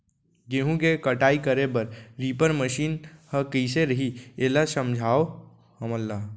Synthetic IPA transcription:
ɡeːɦũkekəʈaːikəɾebɐɾɾiːpəɾməʃiːnhəkəiseɾəɦieːlasəmd͡ʒʱaːo | həməlːaː

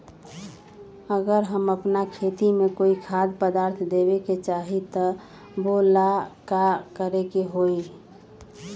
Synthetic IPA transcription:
əɡəɾɦəməpnakʰet̪imekoikʰad̪pəd̪aːɾt̪ʰd̪ebeket͡ʃaɦit̪ə | bolakakəɾekeɦoi

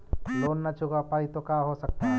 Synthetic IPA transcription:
loːnːat͡ʃʊɡapaːit̪okaɦosɐk̚t̪aɦɛ

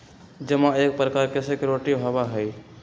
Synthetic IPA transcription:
d͡ʒəmaek̚pɾəkaɾkesekeɾoʈiɦobaɦəj

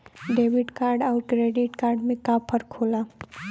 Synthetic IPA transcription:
ɖeːbɪʈkaːɾɖɔːɾkɾeːɖiʈkaːɾɖmẽkaːpʰəɾkʰoːlaː

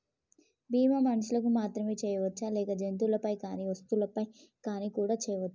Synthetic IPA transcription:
biːmɐmɐnɐʃulɐkumaːt̪ɾɐmeːt͡ʃɛːjɐʋɐt͡ʃːalɛːkɐd͡ʒent̪̬ulɐpɐjkaːniʋɐst̪ulɐpɐj | kaːnikuːɽaːt͡ʃɛːjɐʋɐt͡ʃːḁ

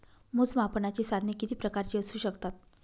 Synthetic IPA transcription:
mud͡zmapənat͡ɕiːsad̪ʱnekit̪iːpɾəkaɾt͡ɕiːəsuːɕəkt̪at̪

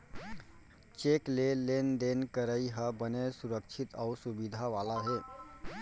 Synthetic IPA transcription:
t͡ʃeklelend̪enkəɾəiɦəbənesuɾəkt͡ʃʰit̪əwsubid̪ʱaʋaːlaɦe

